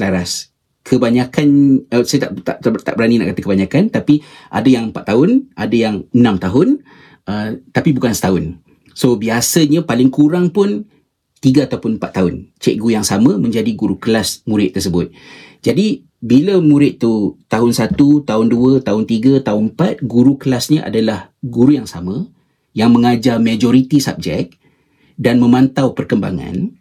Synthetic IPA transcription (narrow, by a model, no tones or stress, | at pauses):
slaɾas | kʰəbaɲakanəsajt̪a̰ʔt̪at̪a̰ʔbəɾanina̰ʔkat̪əkəbaɲakant̪apiʔa̰dəjaŋmpat̪t̪ːaɦʊnʔa̰dəjaŋənãmt̪aɦʊn | ət̪apibukansə̥t̪aʊn | sobiasəɲãpalɪŋkuɾaŋpʊn | t̪iɡəat̪awpʊnmpa̰t̪ːaɦʊnt͡ʃɛ̰k̚ɡuujaŋsamə̃mə̃ɲd͡ʒadiɡuɾukəlasmũɾɪt̪ːərsəbʊt̪̚d͡ʒadi | biləmũɾɪt̪̚t̪ːut̪aɦʊnsat̪ut̪aʊnduət̪aʊnt̪iɡət̪aʊnpat̪̚ɡuɾukəlasɲaʔa̰dalahɡuɾujaŋsamə̃ | jaŋmə̃ŋad͡ʒarmad͡ʒɔɾit̪isa̰p̚d͡ʒɛ̰k̚ | danmə̃mãnt̪awpərkəmba̰ŋã̰n